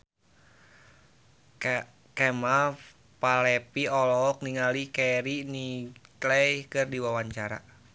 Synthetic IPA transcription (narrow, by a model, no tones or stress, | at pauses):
kɛma | palɛpiɔlɔk̚niŋalikɛɾiniklɛihkɨrdiwawaɲt͡ʃaɾa̰